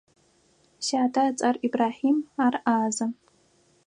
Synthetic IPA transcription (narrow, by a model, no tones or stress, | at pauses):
ɕaːtʰat͡sʼaribraːħimaraːza